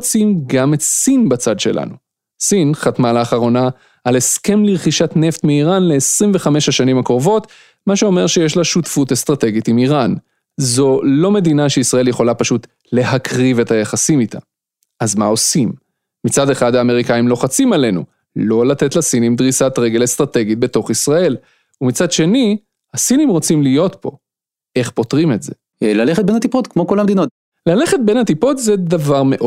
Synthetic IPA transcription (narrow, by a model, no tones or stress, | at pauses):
t͡simɡame̞tsinbat͡sad̪ʃe̞̰lʔa̰nu | sinχat̪malaːχaʁo̞na | ale̞ske̞mliʁχiʃatne̞ft̪miːʁanle̞ːsʁimve̞χameʃaʃanimakʁovo̞t | maʃeo̞me̞ʁʃeje̞ʃlaʃutfutest̪ʁate̞ɡitimiʁan | zo̞lo̞medinaʃeisʁae̞lje̞χo̞lapaʃut̪ | le̞hakʁive̞thajaχasimita̰ | ʔazmao̞simː | it͡sade̞χadaːme̞ʁikaimlo̞χat͡simale̞nṵ | lo̞lat̪e̞tlasinimd̪ʁisatʁe̞ɡe̞lest̪ʁate̞ɡit̚be̞to̞χisʁae̞l | umit͡sad̪ʃe̞ni | hasinimʁo̞t͡simlijo̞t̪po̞̰ | ʔe̞χpo̞tʁime̞tze̞̰ | laleχet̪̚benhat̪ipot̪kmo̞ko̞lhamed̪inot | lale̞χet̚be̞nhatipo̞tzed̪avaʁme̞ʔo